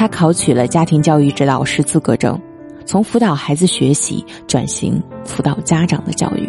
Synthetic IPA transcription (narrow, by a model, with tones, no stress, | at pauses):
t̪ʰa˥kʰɑ˧˥ʊt͡ɕʰy˨˩lə˦t͡ɕja˥t̪ʰi˧˥ŋt͡ɕjɑ˥˧ʊy˥˧ʈ͡ʂɻ̩˥t̪ɑ˨˩ʊʂɻ̩˥˧t͡sʰɹ̩˥˩kɤ˧˥ʈ͡ʂɤ̰˥˩ŋ | t͡sʰʊ˧˥ŋfu˧˥t̪ɑ˨˩ʊxa˧˥ɪd͡zɹ̩˧ɕɥɛ˧˥ɕḭ˧˥ | ʈ͡ʂwa̰˨˩nɕḭ˧˥ŋfu˧˥t̪ɑ˨˩ʊt͡ɕja˥ʈ͡ʂɑ˨˩ŋd̪ə˦t͡ɕjɑ̰˥˧ʊy̰˥˩